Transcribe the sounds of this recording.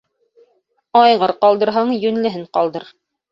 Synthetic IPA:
ɑjʁɤɾqɑlˠd̪ɤ̆ɾɦɑɴjɵ̆nlɘ̆ɦɘɴqɑlˠd̪ɤɾ

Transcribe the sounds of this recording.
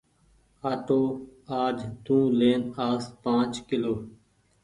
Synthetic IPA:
aːʈoːaːd͡ʒt̪ũːleːnaːspãːt͡ʃkɪloː

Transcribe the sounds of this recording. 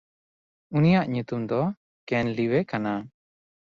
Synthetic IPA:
unijaʔɲut̪umd̪ɔ | kɛnliwɛkana

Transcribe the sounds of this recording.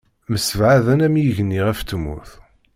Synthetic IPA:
məsəvʕaðænæmjʝənːiʁæft̪ːəmṵθ

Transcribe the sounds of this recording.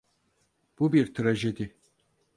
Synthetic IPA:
b̥ubiɾt̪ʰɾaʒed̪ɪ

